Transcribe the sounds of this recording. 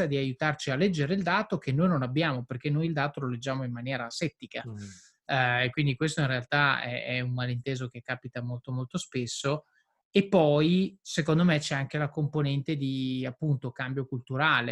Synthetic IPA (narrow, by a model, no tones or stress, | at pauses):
ad̪iajut̪art͡ʃialːɛd͡ʒːeɾeild̪aːt̪okenːojnonabːjaːmoperkenːojild̪aːt̪ololed͡ʒːaːmoimmanjɛːɾasɛt̪ːika | ekwind̪ikwest̪oinrealt̪aɛ̰ɛ̰umːalint̪eːzok̟ekːaːpit̪amolt̪omolt̪ospesːo | epːɔjsekond̪omet͡ʃɛaŋk̟elakomponɛnt̪ed̪iapːunt̪okambjokult̪uɾaːle